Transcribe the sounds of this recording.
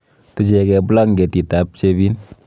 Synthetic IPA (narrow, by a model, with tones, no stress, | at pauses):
ti˨t͡ʃe˨kɛ˧bu˦la˦ŋɡe˨ti˨ta˨p̚t͡ʃe˧bi˦n